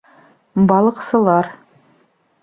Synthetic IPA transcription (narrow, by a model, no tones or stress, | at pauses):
bɑlˠɤ̆qsɤ̆lˠɑɾ